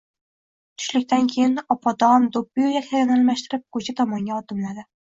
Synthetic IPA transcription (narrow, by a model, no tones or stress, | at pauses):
t̪ʰʊ̥ʃlɪkʲt̪ankʲʰejɪnɒpʰɒd̪ɒmd̪op̚ːɪjujakʲʰaɡʲanalˠmaʃt̪ɪɾɪp̚kʰɵt͡ʃʰat̪ʰɒmɒŋɡʲaɒd̪ɪmlad̪ɪ